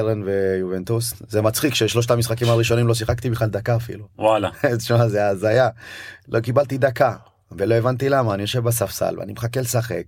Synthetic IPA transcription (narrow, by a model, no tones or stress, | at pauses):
eʁenvejuvent̪uszemat͡sχikʃeʃlo̞ʃ̬tamisχakimaʁiʃo̞nimlo̞s̬iχakt̪ibeχlald̪akaːfḭluwalaʃmazeaːzajalokibalt̪id̪aka | velo̞evant̪ilamaːnijo̞ʃe̞vbasafsa̰lvḛa̰nimeχakelsaχe̞̰k